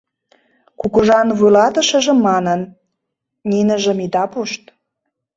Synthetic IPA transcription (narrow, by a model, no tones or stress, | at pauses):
kukəʒɑnβujlɑt̪ə̆ʃə̆ʒĕmːɑnən | nʲinə̆ʒə̆mid̪ɑpuʃt̪